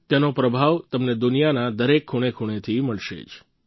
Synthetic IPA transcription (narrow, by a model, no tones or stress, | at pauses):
t̪jenopɾəbʱaʋt̪əmned̪ʊnijanad̪əɾekʰːuɽ̃ekʰuɽ̃et̪ʰiməɭʃḛt͡ʃ